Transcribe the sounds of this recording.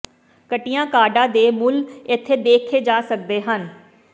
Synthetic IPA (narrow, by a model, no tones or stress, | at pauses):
kəʈɪjãːkaːɖãːd̪eːmʊlɪt̪ʰːeːd̪eːkʰːeːd͡ʒaːsək̚d̪eːɦən